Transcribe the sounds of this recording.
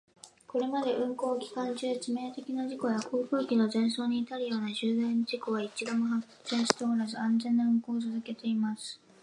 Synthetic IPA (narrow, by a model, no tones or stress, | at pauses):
ko̞ɾe̞mad̪e̞ʔɯ̟̃ŋko̞ːkʲi̥kãɲt͡ɕɨːt͡ɕime̞ːt̪e̞kʲinaʑiko̞jakʰo̞ːɸɯ̟ːkʲino̞zẽ̞ɰ̃so̞ːɲ̟iːt̪aɾɯ̟jo̞ːnaʑɨːd̪ãnd͡ʑiko̞βait͡ɕid̪o̞moɦak | seɕi̥t̪eoɾazɨãnzẽ̞nːaɯ̟ŋko̞ːsɨzɨke̞t̪e̞imasɨ̥